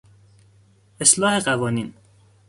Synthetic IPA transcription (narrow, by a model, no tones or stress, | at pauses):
ʔeslɒːheɢævɒːniːn